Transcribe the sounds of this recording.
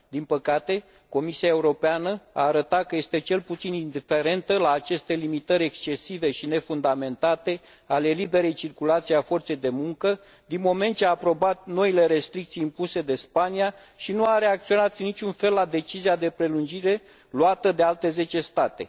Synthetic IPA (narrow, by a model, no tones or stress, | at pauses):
d̪inpəkat̪e̞ | ko̞misiae̞uɾo̞peanəa̰ːɾət̪at̪̚kəje̞st̪e̞t͡ʃe̞lput̪sinind̪ife̞ɾe̞nt̪əlaːt͡ʃe̞st̪e̞limit̪əɾʲe̞kst͡ʃe̞sive̞ʃine̞fund̪ame̞nt̪at̪e̞ | ale̞libe̞ɾe̞jt͡ʃirkulat̪sijafo̞rt̪se̞jd̪e̞muŋkə | d̪inmo̞me̞nt̪̚t͡ʃeaːpɾo̞bat̪̚no̞ile̞ɾe̞st̪ɾik̚t̪sijimpuse̞d̪e̞spania | ʃinuaɾe̞ak̚t̪sio̞nat̪nːit͡ʃunfe̞lːad̪e̞t͡ʃiziad̪e̞pɾe̞lund͡ʒiɾe̞ | luat̪əd̪e̞alt̪e̞ze̞t͡ʃe̞st̪at̪e̞̰